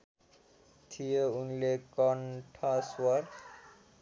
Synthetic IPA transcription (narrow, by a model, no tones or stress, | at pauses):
t̪ʰijounlekʌnʈʰʌswʌr